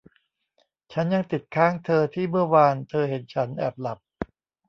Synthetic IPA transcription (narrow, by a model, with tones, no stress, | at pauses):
t͡ɕʰa˦˥nja˧ŋt̪i˨˩t̪̚kʰaː˥˩ŋt̪ʰɤː˧t̪ʰiː˥˩mɯ˥˩ɐwaː˧nt̪ʰɤː˧ɦe˩˦nt͡ɕʰa˦˥nʔɛ̰ː˨˩p̚la˨˩p̚